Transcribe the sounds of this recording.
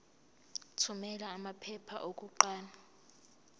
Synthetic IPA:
tʰumɛlaːmapʰɛpʰa̰ʔok̬ʼuǃaːna

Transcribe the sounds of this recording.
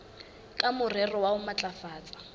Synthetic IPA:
kʼamʊrɛrɔwaʊmat͡ɬʼafaːt͡sʼḁ

